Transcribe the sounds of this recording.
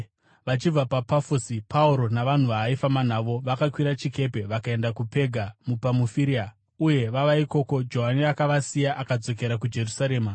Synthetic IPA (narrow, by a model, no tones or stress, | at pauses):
ʋat͡ʃib͡vapapafosipauɾo̞naʋan̤uʋaifaman̤aʋo̞ʋakakwiɾat͡ʃike̞pe̞ʋakae̞ndakupe̞ɡʱamupamufiɾia | uje̞ʋaʋaiko̞ko̞d͡ʒo̞ɦaniakaʋasijaʔakad͡zo̞ke̞ɾak̬ud͡ʒe̞rusaɾe̞ːma